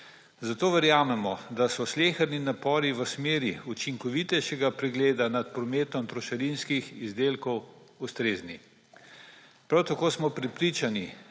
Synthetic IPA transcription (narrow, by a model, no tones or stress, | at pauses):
zat̪oːʋəɾjaːmɛmɔd̪asɔsleːxəɾninapɔːɾiʋəsmeːɾiut͡ʃiŋkɔʋit̪ɛjʃɛɡapɾɛɡleːd̪anat̪pɾɔmeːt̪ɔmt̪ɾɔʃɐɾinskixizd̪eːlkɔw | ust̪ɾeːzni | pɾawt̪akoːsmɔpɾɛpɾit͡ʃani